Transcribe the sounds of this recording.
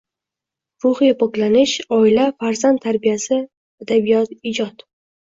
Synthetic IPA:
ɾʊhɨjapʰɒklanɪʃɒɪlafaɾzandt̪ʰːaɾbijasɪ | ad̪abijɒt̪ɪd͡ʒɒt̪

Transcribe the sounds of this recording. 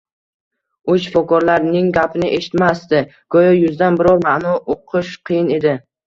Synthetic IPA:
ʊt͡ʃfɒkɒɾlaɾnɪŋɡʲapʰɪnɪʔe̞ʃɪ̥t̪mast̪ɪ | ɡ̥ɒjɒjʊzd̪anbɪɾɒlˠmaʔnɒʔoqʰɨʃqʰɨjɪne̞d̪ɪ

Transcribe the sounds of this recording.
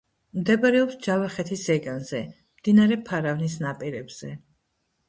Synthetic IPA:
md̪ɛbaɾɛɔpsd͡ʒavaχɛt̪ʰisɛɡanzɛ | md̪̥inaɾɛpʰaɾavnisnapʼiɾɛbz̥ɛ

